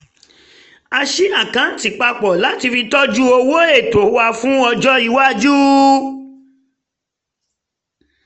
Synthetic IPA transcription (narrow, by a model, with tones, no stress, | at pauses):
a˧ʃi˦a˦˨kã˨˦˨ti˨k͡pa˧k͡pɔ˨la˨˦ti˧fi˧tɔ˦d͡ʒu˦o˧wo˦e˦˨to˨˦wa˧fũ˦ɔ˧d͡ʒɔ˦i˧˦wa˦d͡ʒu˦